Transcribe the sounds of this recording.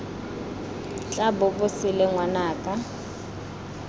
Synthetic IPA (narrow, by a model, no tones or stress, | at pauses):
t͡ɬʼabʊɓʊsilɛŋwanaːkʼa